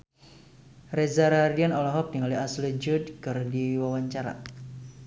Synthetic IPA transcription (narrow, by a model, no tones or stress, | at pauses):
rezaɾardianɔlɔɦɔp̚niŋaliaslid͡ʒud̚kɨrdiwawaɲt͡ʃaɾa̰